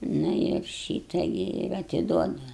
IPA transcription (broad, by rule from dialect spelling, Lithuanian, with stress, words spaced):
ˈnʊ ɪr ˈʃʲiːtɐ ɡʲɪ ɪr ɐtʲɪˈduɔdʊ